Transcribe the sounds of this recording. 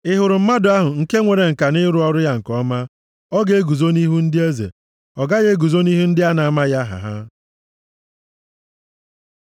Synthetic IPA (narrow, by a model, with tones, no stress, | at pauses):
ɪ˦ɦʊ˨ɾʊ˨m̩˦ma˦dʊ˨a˦ɦʊ˨ŋ̩˨ke˦ŋʷe˨ɾe˨ŋ̩˨ka˨nɪ˦ɾu˦ɔ˦ɾʊ˦ja˦ŋ̩˨kɔ˦ma˦ | ɔ˦ɡe˨˦e˦ɡu˨zo˦ni˦ɦu˦n̩˦dɪ˦e˦zḛ˨ | ɔ˨ɡa˦ɣe˦ɡu˨zo˦ni˦ɦu˦n̩˦dɪ˦a˦na˨a˨ma˦ja˦ɦa̰˨ɦa̰˦